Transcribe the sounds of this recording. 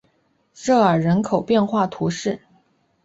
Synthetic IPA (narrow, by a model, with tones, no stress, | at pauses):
ʂɤ˥˩ə˞˨˩ɻə˧˥nkʰo˨˩ʊpjɛ˥˧nxwa˥˩t̪ʰu˧˥ʂɻ̩˥˩